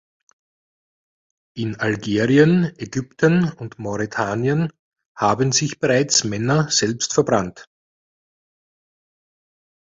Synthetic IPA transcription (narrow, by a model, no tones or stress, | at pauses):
ʔɪnalɡeːʁiənʔeɡʏptənʊndmɔʁitʰaːniən | haːbnzɪçb̥ɛʁaɪt͡smɛnɐz̥ɛlpstfɛɐbʁant